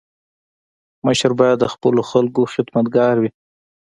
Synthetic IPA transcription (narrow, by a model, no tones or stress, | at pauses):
məʃaɾbɑjad̪ːəxpəloxalkoxɪd̪mat̪̚ɡɑɾwi